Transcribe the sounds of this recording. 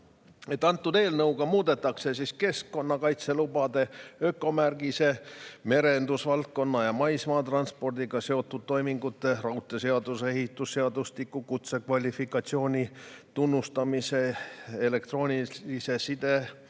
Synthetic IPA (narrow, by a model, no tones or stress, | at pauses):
e̞t̪ːˑɑnt̪ːˑud̪̥e̞ːlnɤwɡ̥ɑmuːd̪e̞t̪ːˑɑkse̞siske̞skːo̞nːɑkɑjt̪se̞lubɑd̪e̞økːˑo̞mærɡise̞me̞ɾe̞nd̪usvɑlt̪̚ko̞nːɑjɑmɑjsmɑːt̪rɑnspo̞rd̪iɡ̥ɑse̞o̞t̪ːˑud̪̥̚t̪ːo̞jmiŋɡut̪ːˑe̞rɑwt̪ːˑe̞se̞ɑd̪use̞ɦit̪ːˑusːeɑd̪̥ust̪ikːˑukut̪se̞kvɑlʲifikːˑɑt̪sio̞ːnʲit̪unːust̪ɑmise̞ele̞kt̪ro̞ːnʲiise̞sid̪e̞